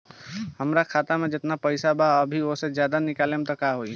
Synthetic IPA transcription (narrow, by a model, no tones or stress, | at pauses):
həmɾakʰat̪amed͡ʒet̪napəjsabaəbʱioɦsed͡ʒjad̪anikalemt̪ɔkaɦoi